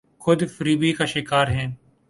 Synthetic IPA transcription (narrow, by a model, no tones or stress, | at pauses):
xʊd̪fəɾiːbiːkaːʃɪkaːɾɦɛ̃ː